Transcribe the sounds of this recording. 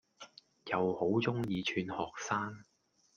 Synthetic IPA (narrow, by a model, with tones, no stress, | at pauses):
jɐ˨who˨˥wt͡sʊ˥ŋjiː˨˧t͡ʃʰyː˨˧nhɔː˨k̚saː˥ŋ